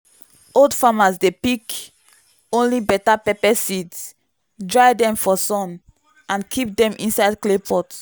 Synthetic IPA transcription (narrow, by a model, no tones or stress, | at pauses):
oldfamasdepik | õnlibɛtapɛpɛsids | dɹajdɛ̃mfɔsɔ̃n | ãnkʰip̚dɛ̃mʔĩnsaɪd̚klepʰɔt